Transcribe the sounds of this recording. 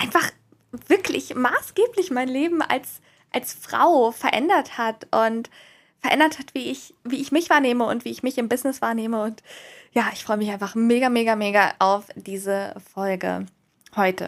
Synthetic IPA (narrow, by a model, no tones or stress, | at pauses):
ʔaɪnfaχ | v̥ɪɐklɪ̰çmaːsɡ̥eːplɪçmaɪnleːbm̩ʔa̰ls | ʔalsfʁ̥a̰ʊfɛɐʔɛ̰ndɐthatʔʊnt | fɛɐʔɛ̰ndɐthatv̥iːɪçviːɪçmɪçv̥aːɐneːməʊ̰ntv̥iːɪçmɪçɪmbɪznɪsv̥aːɐneːməʊntjaːʔɪçfʁ̥ɔʏəmɪç̬ʔaɪnfaχmeːɡameːɡameːɡaʔaʊfd̥iːzəfɔlɡə̰ | hɔʏtə̰